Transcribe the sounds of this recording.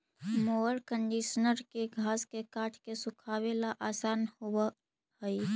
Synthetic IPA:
moəɾkəɳɖiːʃnəɾkeɡʱaːskekaːʈʰkesʊkʰaːwelaʔaːsaːnhoa | həi

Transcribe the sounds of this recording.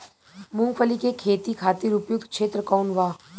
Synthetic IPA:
mʊ̃ŋɡpʰəlikekʰeːt̪ikʰaːt̪iɾʊpjʊk̚d̪kʃʰeːt̪ɾəkaːnʋaː

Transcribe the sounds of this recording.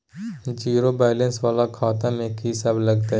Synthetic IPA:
d͡ʒiːɾobaːɪlə̃nsʋaːlakʰaːt̪ãmeːkɦisablɐɡt̪aɦ

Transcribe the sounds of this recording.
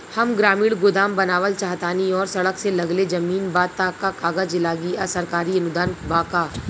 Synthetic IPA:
hɐmɡɾaːmiːɽɡʊd̪aːmbɐnaːʋəlt͡ʃaːɦt̪aːniɔːɾsɐɽəkselɐɡled͡ʒɐmiːnbaːt̪ːakakaːɡəd͡ʒɪlaːɡiasɐɾkaːɾiɐnʊd̪aːnbaːkaː

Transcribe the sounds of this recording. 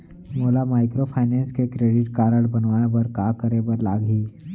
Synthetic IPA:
moːlamaːɪkɾopʰaːɪnɛ̃ːnskekɾeːɖɪʈkaːɾəɽbɐnʋaːebɐɾkaːkəɾebəɾlaːɡiː

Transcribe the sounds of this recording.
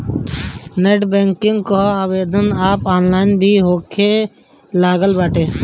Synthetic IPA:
neːʈbẽːŋkɪŋɡkoaːʋeːd̪ənaːpaːnlaːɪnbʱiːɦoːkʰeː | laːɡəlbaːʈeː

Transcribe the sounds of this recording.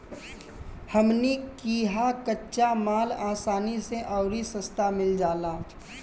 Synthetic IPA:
həmnikiːɦakətːʃamaːlaːsaːniseʔɔʊɾisə̃st̪ʰamɪld͡ʒaːlaː

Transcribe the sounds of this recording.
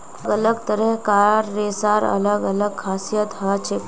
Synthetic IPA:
ɡələɡt̪əɾeɦkajaɾːesaɾə̰ləɡələɡ̚kʰasijət̪ɦət͡ʃʰe

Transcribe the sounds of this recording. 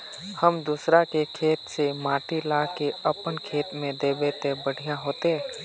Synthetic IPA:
həmd̪usɾakekʰeːt̪semaːʈilakeəpənkʰeːt̪mẽd̪eːbet̪ebəɽ̤ʱijãɦoːt̪e

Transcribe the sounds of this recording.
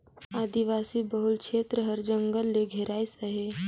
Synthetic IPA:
aːd̪iʋaːsibɐɦʊlkʃʰeːt̪ɾəɦɐɾd͡ʒə̃ŋɡəlːeɡʱeɾaːisɐɦeː

